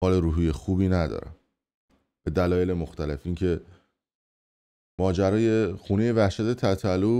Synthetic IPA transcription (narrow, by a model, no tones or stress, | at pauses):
ɒːleɾuːɦiːje̞xuːbiːnæd̪ɒ̰ːɾæ̰m | b̥e̞d̪ælɒːje̞lemoxt̪æle̞fiːŋcʰe̞ | mɒːd͡ʒæɾɒːje̞xuːneje̞væhʃæt̪ʰe̞t̪ʰæt̪ʰælu